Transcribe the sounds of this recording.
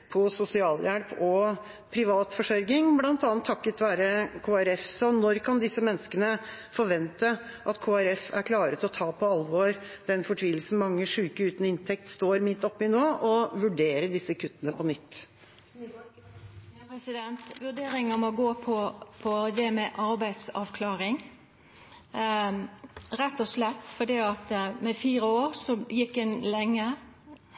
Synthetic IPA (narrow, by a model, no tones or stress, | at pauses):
pʰɔsʊsɪɑːljælpɔ | pʰɾɪʋɑːt̪fɔʂœɾɡɪŋblɑnt̪ɑːnt̪ʰːɑkːət̪ʋæːɾəkʰoːæɾɛfsɔnɔɾkʰɑnd̪ɪsːəmɛnːəskənə | fɔɾʋɛnt̪əʔɑt̪kʰoːæɾɛfæɾkʰlɑːɾət̪ɔt̪ʰɑːpʰɔɑlʋɔɾd̪̥ɛnfɔʈʰʋiːl̩sn̩mɑŋːəʂʉːkəʉːt̪nəɪnt̪ʰɛk̚t̪st̪oːɾmɪt̪ːɔpːɪnoːʔɔʋʉɖeːɾədɪsːəkʰʉt̪ːənəpʰɔnʏt̪ː | pɛsɪd̪ɛnt̪ʋʉɖeːɾɪŋəmɔɡoːpʰɔpʰɔd̪ɛmɛʔɑɾbæɪd̪sɑ̰ːʋkʰlɑːɾɪŋ | ɾɛt̪ːɔslɛt̪ːfɔd̪iːɑt̪mɛfiːɾəoːɾsɔjɪkːɛnlɛŋːə